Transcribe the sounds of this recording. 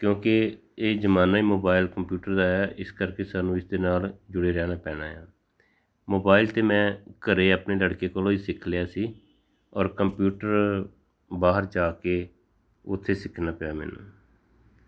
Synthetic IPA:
kjõːkɪ | eːd͡ʒəmaːnaːiːmoːbaːɪlkəmpjuːʈəɾd̪aːjaːʔɪskəɾkeːsaːnũːɪsd̪eːnaːld͡ʒʊɽeːɾɛːnaːpɛːnaːjãː | moːbaːɪlt̪eːmɛ̃ːkəɾeːəːpneːləɽkeːkəlõːiːsɪkʰljaːsiː | ɔːɾkəmpjuːʈəɾ | baːɦəɾd͡ʒaːkeː | ʊt̪ʰːeːsɪkʰnaːpjaːmɛ̰ːnṵ̃ː

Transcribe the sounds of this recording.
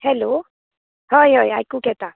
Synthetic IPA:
hɛlo | hɔjɦoja̰jkukɛt̪a

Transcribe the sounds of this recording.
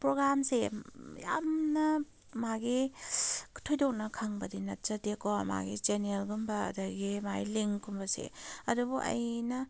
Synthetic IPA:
pɾoɡɾamseja̰mnɐ | maɡi | kʰtʰojdok̚nɐkʰaŋbɐdinɐt̚t͡ʃɐdekoma̰ɡit͡ʃenelɡumbɐ̰ːdɐɡimajliŋkumbɐsḛɐdubuʔɐ̰jnɐ

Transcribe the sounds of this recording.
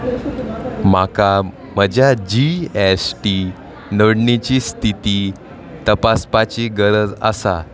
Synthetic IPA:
m̤aka | məd͡ʑjad͡ʑiesʈi | nəɽɳit͡ɕiːst̪ʰit̪iː | t̪əpaspat͡ɕiɡəɾəd͡za̰sa̰

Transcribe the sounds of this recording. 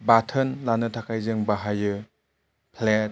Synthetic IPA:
batʰɯnlanɯtʰakʰajzɯŋbaɦajɯ | pʰlet̚

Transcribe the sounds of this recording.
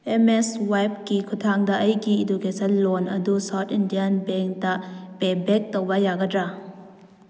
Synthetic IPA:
ʔɛmɛswajp̚kikʰutʰaŋdɐʔɐjɡiːduɡesɐlɔnɐ̰dusawtʰindianbɛŋktaʔpebɛk̚tɔwbɐjaɡɐtɾa

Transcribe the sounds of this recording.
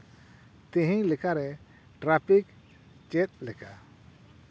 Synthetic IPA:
t̪iɦĩɲlɛkaɾɛ | ʈɾapʰik | t͡ʃɛt̪̚ˀlɛka

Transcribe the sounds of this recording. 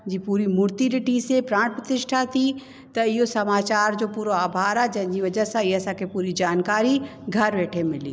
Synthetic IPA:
d͡ʑiːpuːɾimʊɾt̪iɗɪʈisepɾãːpɾɐt̪ɪʃʈʰat̪ʰi | t̪ɐɪɦosɐmaːt͡ɕaːɾd͡ʑoːpuːɾoaːbʱaːɾad͡ʑɐ̃ɦɪ̃ɲd͡ʑiːʋɐd͡ʑəɦsãɪɦeɐsãːkʰepuːɾid͡ʑaːnkaːɾi | ɡʱɐɾʋeːʈʰemɪlḭ

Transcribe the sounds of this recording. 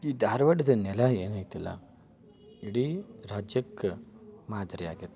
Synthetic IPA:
iːd̪ʱaːɾʋɐɽɐd̪ɐnɛlɐeːnɐjt̪ilːɐ̰ | iɽiɾaːd͡ʒjɐkː | maːd̪ɾia̰ːɡet̪ː

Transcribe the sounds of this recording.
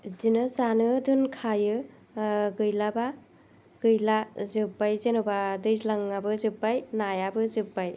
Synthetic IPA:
zinɯzanɯdɯnkʰajɯ | ɡɯjlaba | ɡ̥ɯjlazɯbajzenubadɯjzlaŋabɯzɯbajnajabɯzɯbaj

